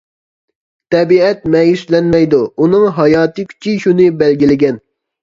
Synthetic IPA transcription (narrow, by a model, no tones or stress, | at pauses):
t̪ʰɛbiɛt̪̚mɛjyslɛnmɛjd̪uunɨŋɦɑjɑːt̪ɨkʲʰy̥t͡ʃʰiʃunɨbɛlɡʲilɪɡʲɛn